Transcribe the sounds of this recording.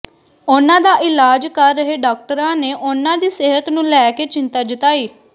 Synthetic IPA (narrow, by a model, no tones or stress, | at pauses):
ʊnãːd̪aːʔɪlaːd͡ʒkəɾːəɦeːɖaːk̚ʈəɾãːneːʔʊnãːd̪iːsɪɦət̪nũːlɛːkeːt͡ʃɪnt̪aːd͡ʒɪt̪aːiː